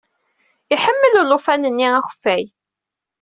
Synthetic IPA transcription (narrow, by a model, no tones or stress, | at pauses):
iħəmːəllʊfænənːiæxə̥fːæj